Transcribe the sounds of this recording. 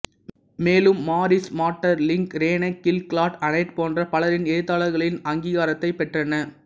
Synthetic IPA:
meːlɯmːaːɾɪsmaːʈːɐɾlɪŋkɾeːnɐkːɪlkɭaːʈɐnɐɪʈ̪poːndrɐpɐlɐɾɪneːt̪ːaːlɐɾɣɐɭɪnɐŋɡiːɣaːɾɐt̪ːɐɪpːɛʈrɐnɐ

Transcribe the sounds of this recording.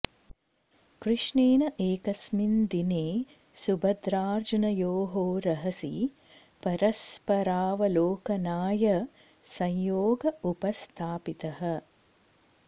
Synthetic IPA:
kɾɨʂɳeːnɐʔeːkɐsmind̪ineː | subɐd̪ɾaːɾd͡ʒunɐjoːɦoːɾɐɦɐsḭ | pɐɾɐspɐɾaːʋɐloːkɐnaːjɐ | sɐ̃jjoːɡɐupɐst̪ʰaːpit̪ɐɦɐ̆

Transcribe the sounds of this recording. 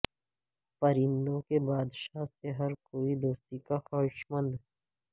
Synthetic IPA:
pəɾɪ̃nd̪õkebaːd̪ʃaːseɦɐɾkoːid̪oːst̪ikaxaːɪʃmə̃nd̪

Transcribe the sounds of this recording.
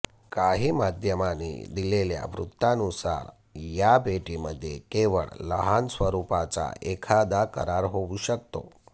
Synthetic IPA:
kaɦiːmad̪ʱjəmanḭd̪ilelja̰ʋɾṵt̪ːanusa̰ɾ | jabeʈiməd̪ʱːjḛkeʋə̰ɭləɦansʋəɾupat͡sa̰ekʰad̪akə̰ɾaɾɦouɕək̚t̪o̰

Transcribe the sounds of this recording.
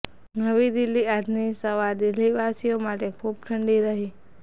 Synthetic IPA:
nəʋid̪ɪlːiad̪ʱnisəʋaɾd̪ɪlːiʋasijomaʈekʰub̚ʈʰəɳɖiɾəɦi

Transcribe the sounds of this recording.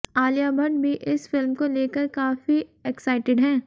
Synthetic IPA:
aːlijaːbʱɐ̃ɳɖbʱiʔɪsfɪlmkoleːkəɾkaːfiɛksaɪʈɪɖɦɛ̃ː

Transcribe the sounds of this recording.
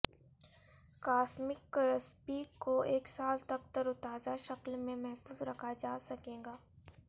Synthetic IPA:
kaːsmɪkːəɾəspiːkːoeːksaːlt̪ɐk̚t̪ɐɾʊt̪aːzaʃɐklmẽmɛɦfuːzɾɐkʰad͡ʒaːsɐkẽːɡaː

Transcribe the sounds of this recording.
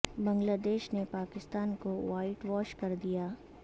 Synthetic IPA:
bɐ̃ŋɡlaːd̪eːʃnepaːkɪst̪aːnkoʋaːɪʈʋɔːʃkɐɾd̪ijaː

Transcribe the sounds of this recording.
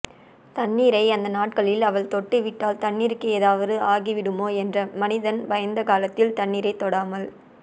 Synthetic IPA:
t̪ɐɳːiːɾɐɪɐnd̪ɐnaːʈkɐɭɪlɐʋɐɭt̪ɔʈːɯʋɪʈːaːlt̪ɐɳːiːɾkːɯeːðaːʋɐðɯaːɣiʋɪɽɯmoːɛndrɐmɐnɪðɐnbɐjɐnd̪ɐkaːlɐt̪ːɪlt̪ɐɳːiːɾɐɪt̪ːɔɽaːmɐl

